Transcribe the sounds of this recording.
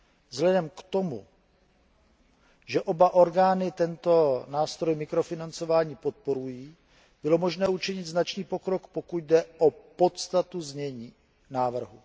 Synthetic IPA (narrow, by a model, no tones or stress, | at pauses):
vzɦlɛdɛmkt̪o̞mṵ | ʒɛʔobaʔo̞ɾɡaːnɪt̪ɛnt̪o̞naːst̪ɾo̞jmɪkɾo̞fɪnant͡so̞vaːɲiːpo̞t̪̚po̞ɾujiː | b̥ɪlo̞moʒnɛːut͡ʃɪɲɪd̪znat͡ʃniːpo̞kɾo̞kpokuɟdɛopo̞t̪st̪at̪uzɲɛɲiː | naːvr̩ɦṵ